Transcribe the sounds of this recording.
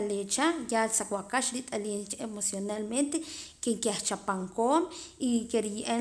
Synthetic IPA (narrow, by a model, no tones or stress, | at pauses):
aleːt͡ʃajalsakwakaʃɾit̪ʼaliːnt͡ʃemosjonalment̪ekeŋkjaht͡ʃapaŋkoːmikeɾijiʔe